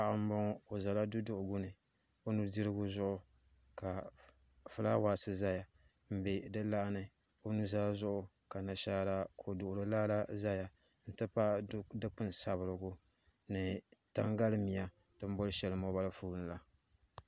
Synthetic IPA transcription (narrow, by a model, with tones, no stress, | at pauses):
a˨ʔɨ˦m˦bɔ˦ŋ˦o˨za˨la˦du˦dʊ˦˨ʔʊ˨ɡʊ˦nɨ˨ | o˦nu˦di˦ɾɨ˦ɡu˦zʊ˦ʔʊ˨ | ka˨ | fɨ˦la˦waː˨sɨ˨za˦ja˨ | m̩˨be˨dɨ˦la˦ʔnɨ˦ | o˦nu˦zaː˦zʊ˦ʔʊ˦ | ka˨na˨ʃa˦la˦kʰo˨dʊ˨ʔʊ˨ɾɨ˦laː˦la˦za˦ja˨ | n̩˨tɨ˦pa˦dɨ˦k͡pɨ˦nsa˨βɨ˨ɾɨ˨ɡʊ˦ | nɨ˨ta̰˦ŋɡa˦lɨ˦mi˨ja˦ | tɨ˦m̩˦bɔ˦lɨ˦ʃɛ˨lɨ˨˦mɔ˦ba˦lɨ˦fuː˦nɨ˨la˦